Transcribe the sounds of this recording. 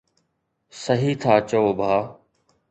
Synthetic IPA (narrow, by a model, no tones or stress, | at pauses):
səɦiːt̪ʰaːt͡ʃooːbʱaː